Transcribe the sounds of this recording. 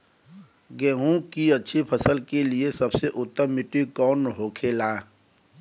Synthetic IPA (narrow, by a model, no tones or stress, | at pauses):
ɡeːɦũkiɐtːʃʰipʰɐsəlkeliesɐbseʔʊt̪ːəmːɪʈikɔːnɦoːkʰeːlaː